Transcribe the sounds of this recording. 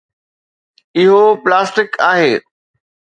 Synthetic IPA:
ɪɦoplaːsʈɪkaːɦeː

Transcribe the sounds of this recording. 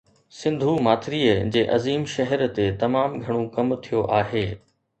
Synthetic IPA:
sɪ̃nd̪ʱumaːt̪ʰɾiːəd͡ʑeːʔɐziːmʃɐɦəɾt̪et̪ɐmaːmɡʱɐɽ̃ũkɐmt̪ʰijoʔaːɦeː

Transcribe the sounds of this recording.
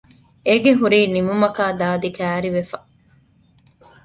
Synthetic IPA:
eɡeɦuɾiːnimumɐkaːd̪aːd̪ikæːɾiʋefɐ̥

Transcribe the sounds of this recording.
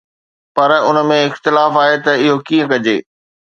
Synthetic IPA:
pɐɾʊnəmẽɪxt̪ɪlaːfaːɦet̪ɐɪɦokiːə̃kɐd͡ʑeː

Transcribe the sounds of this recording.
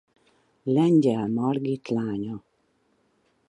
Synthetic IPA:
lɛɲɟɛlmɒrɡit̪laːɲo

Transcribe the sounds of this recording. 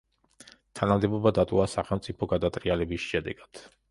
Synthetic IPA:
t̪ʰanamd̪ɛbɔbad̪at̪ʼɔasaχɛlˠmt̪sʼipʰɔɡad̪at̪ʼqʼialɛbisʃɛd̪ɛ̰ɡ̥ad̪̥

